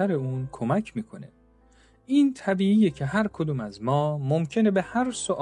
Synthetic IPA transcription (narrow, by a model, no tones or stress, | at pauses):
æɾe̞uːnkʰomæcʰmiːkʰonḛ | ʔiːnt̪ʰæbiːijecʰe̞ɦæɾkʰod̪uːmæzmɒːmomcʰe̞ne̞behæɾsoʔ